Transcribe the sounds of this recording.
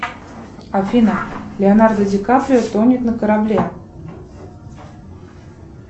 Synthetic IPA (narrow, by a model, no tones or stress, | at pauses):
afʲinəlʲɪonard̪ədʲɪkapɾʲɪət̪onʲɪt̪nəkəɾablʲe